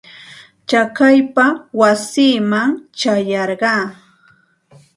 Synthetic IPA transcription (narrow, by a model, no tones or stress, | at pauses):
t͡ʃakajpawasiːmaŋt͡ʃajɑɾɢɑː